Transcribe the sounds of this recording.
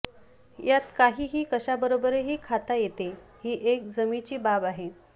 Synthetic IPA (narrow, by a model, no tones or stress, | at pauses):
jat̪kaɦiːɦiːkəɕabəɾobəɾeɦiːkʰat̪ajet̪e | hiːʔek̚d͡zəmit͡ɕiːbabaɦe